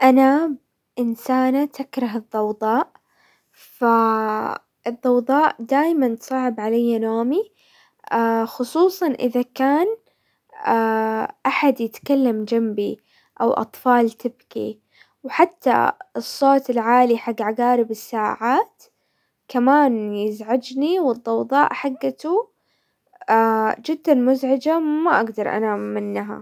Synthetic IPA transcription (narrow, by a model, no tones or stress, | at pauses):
ʔanab | ʔɪnsaːnat̪ʰakɾˤɑɦɨðˤːɑwd̪ˤɑːʔ | fa | ʔɨðˤːɑwd̪ˤɑːʔd̪aːjmant̪sˤɑːʕɪbʕalajːanoːmi | ʔaxʊsˤuːsˤɑnʔɪ̰ðakaːn | aʔaħad̪jɪt̪kalːamd͡ʒambi | ʔawʔɑ̰t̪ˤfɑːlt̪ɪbkḭ | wħat̪ːa̰ɨsˤːoːt̪ɪlʕaːliħaɡːʕaɡaːɾɪbɪsːaːʕaːt̪ | kamaːnjɪzʕad͡ʒniwɨd̪ˤːɑwðˤɑːʔħaɡːat̪u | ad͡ʒɪd̪ːalmʊzʕɪd͡ʒamaʔaɡd̪ɑɾˤʔa̰namɪnːɦa̰